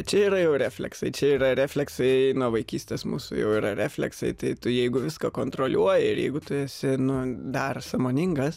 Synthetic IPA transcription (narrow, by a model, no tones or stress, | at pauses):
t͡ʃʲɛiːɾɐjɛʊɾʲæːfʲlʲɛ̰ksɐɪt͡ʃʲɛiːrɐɾʲæːfʲlʲɛksɐɪnuɔʋɐɪkʲiːsʲtʲeːsmṵːsʊ̰jɛ̰ʊiːɾɐɾʲæːfʲlʲɛ̰ksɐ̰ɪt̪ɐɪt̪ʊjɛɪɡʊʋʲɪskɐkoːnt̪ɾoːlʲʔuɔjɪɪɾjɛ̰ɪɡʊt̪ʊɛsʲɪnʊd̪ɐrsɐmoːnʲɪŋɡɐs